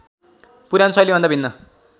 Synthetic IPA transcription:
puɾjansʌjlibʌ̃nd̪abʱinːʌ

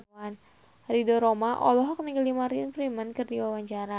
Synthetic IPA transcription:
an | ridɔɾomaʔɔ̰lɔɦɔk̚niɡəlimaɾinfɾimənkɨrdiwawaɲt͡ʃaɾa

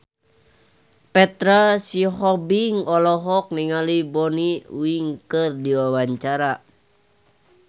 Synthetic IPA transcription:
pɛt̪ɾasiɦɔbiŋɔlɔɦɔk̚niŋalibɔniṵiŋkɨrdiwawaɲt͡ʃaɾa

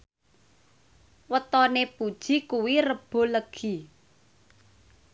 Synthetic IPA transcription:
wət̪ɔnepud̥ʒ̥i̤kuwirəb̥o̤ləɡ̥i

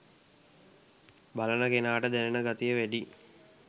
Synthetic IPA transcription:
balənəkenaːʈəd̪ænenəɡat̪ijəʋæɖi

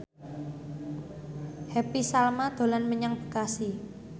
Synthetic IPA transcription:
hɛpisalmad̪̥o̤lanməɲaŋbə̥kasi

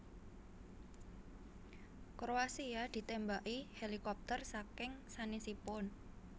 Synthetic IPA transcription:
kɾoasiad̪̥i̤t̪ɛmbaʔihelikɔp̚t̪ərsakɪŋsanisipʊn

